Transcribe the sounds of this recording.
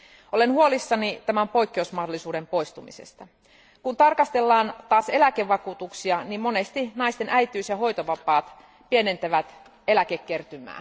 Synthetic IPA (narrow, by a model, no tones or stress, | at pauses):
o̞le̞nhuo̞lisːɑnit̪æmæmpo̞jkːeusmɑhdo̞lisuːdempo̞jst̪umḭsḛst̪ɑ | kunt̪ɑrkɑst̪e̞lːɑːnt̪ɑːse̞læke̞ʋːɑkuːt̪uksiɑnimmo̞ne̞st̪inɑjst̪e̞nʔæjt̪yːsjɑho̞jt̪oʋɑpɑːt̪ | pie̞ne̞nt̪æʋæt̪ | e̞lækekːert̪ymæ̰ː